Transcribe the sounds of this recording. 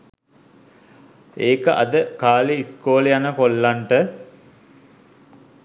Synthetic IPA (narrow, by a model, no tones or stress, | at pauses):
eːkəʔa̰d̪əkaːleiskoːləjanəkolːaɳʈə